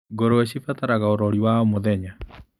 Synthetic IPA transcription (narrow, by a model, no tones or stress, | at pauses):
ɡoɾoɛɕifataɾaɣaoɾɔɾiwaomoðɛɲa